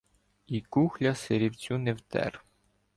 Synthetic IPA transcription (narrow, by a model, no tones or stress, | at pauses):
ikuxlʲɐseɾʲiwt͡sʲunewt̪ɛ̰r